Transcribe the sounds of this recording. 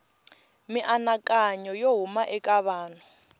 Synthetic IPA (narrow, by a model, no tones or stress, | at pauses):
mɪʔanakʼaɲɔjoɦumaʔɛkʼaβaːn̤ɔ